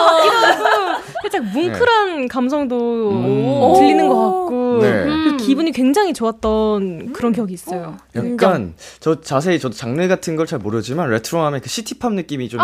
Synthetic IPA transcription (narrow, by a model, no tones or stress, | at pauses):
iʌ | kʰet͡ɕ͈akmuŋkʰɯɾɦankamsʰʌŋdo | tɯʎːinɯnɡʌk͈at̚k͈onḛkɯkibuɲikwe̞ŋd͡ʑaŋɦit͡ɕoat̚t͈ʌnkɯɾʌnkjʌɡiːs͈ʌjoja̰k̚k͈ant͡ɕʌt͡ɕas̬ʰe̞it͡ɕʌdot͡ɕaŋnɯɡatʰɯnɡʌɭt͡ɕaɭmoɾjʌd͡ʑimanɾe̞tʰɯɾoɦamjenkɯɕʰitʰi̥pʰamnɯk͈imit͡ɕom